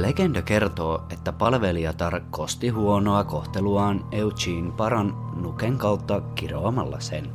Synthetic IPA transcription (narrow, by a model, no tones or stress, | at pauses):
leɡendɑke̞rt̪o̞ːet̪ːæpɑlʋe̞liɑt̪ɑrkkːost̪iɦuono̞ɑko̞ht̪eluɑːneut͡ʃiːnpɑɾɑnːukeŋkɑwt̪ːɑkiroɑmɑlːɑ̰sen